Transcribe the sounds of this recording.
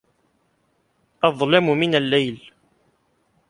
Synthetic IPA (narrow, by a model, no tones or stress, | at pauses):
ʔɑðˤlamʊmɪnalːajl